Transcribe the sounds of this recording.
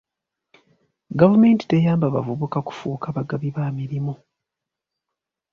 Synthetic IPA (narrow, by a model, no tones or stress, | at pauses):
ɡavume̞ːnti̥te̞jaːmbaβavuβukaku̥fuːkaβaɡaβiβaːmiɾimu